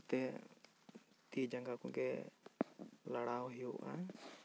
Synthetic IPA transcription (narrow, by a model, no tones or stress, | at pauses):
t̪ɛ | t̪id͡ʒaŋɡakuɡɛ | laɽawɦijuʔa̰